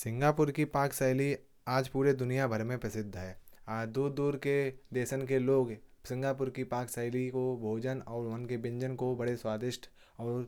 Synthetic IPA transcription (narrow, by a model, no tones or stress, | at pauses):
sɪ̃ŋɡaːpʊɾkipaːksəɪli | aːd͡ʒpuːɾed̪ʊnijabʱəɾmẽpɾɐsɪd̪ʱːɦɛːad̪ud̪uːɾked̪eːʃənkeloːɡsɪ̃ŋɡaːp̬ʊɾkipaːksəlikobʱoːd͡ʒənɔːɾʋənkebɪ̃ɲd͡ʒənkobɐɽeswaːd̪ɪʃʈʰ | ɔːɾ